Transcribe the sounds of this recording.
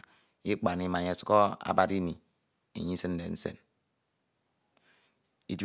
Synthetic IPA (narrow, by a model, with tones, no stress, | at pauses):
i˦k͡pa˨ni˦ma˨ɲe˨su̥˦ɔ˦a̰˦ba˨ɾi˦ni˨ | ḛ˨ɲi˦sɨ˦n̩˦de˨n̩˦sḛ˨n | i˨t